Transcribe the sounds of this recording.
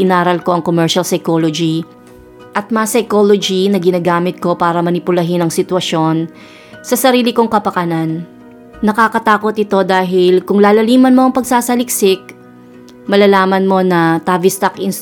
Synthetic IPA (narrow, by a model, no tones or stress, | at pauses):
ʔɪnaːɾɐlko̞ʔɐŋkomɛɹʃɐlsɐjkoːlod͡ʒi | ʔɐt̪̚mɐsɐjkolod͡ʒinɐɡɪnaːɡaːmɪt̪̚ko̞paːɾɐmɐnɪpʊlɐɦɪnɐŋsɪt̪wɐʃo̞n | sɐsɐɾiːlɪko̞ŋkɐpɐkɐnanː | ɐkaːkɐt̪aːko̞t̪̚ɪt̪o̞d̪aːɦɪlkʊŋlaːlɐliːmɐnmo̞ʔɐŋpɐɡ̚saːsɐlɪk̚sɪk̚ | mɐlaːlaːmɐnmo̞nɐt̪aːvɪst̪ɐkʔɪn